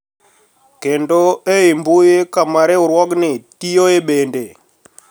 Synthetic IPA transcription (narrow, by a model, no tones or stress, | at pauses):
kendoeimbujekamaɾeuɾwɔɡnetijoeɓende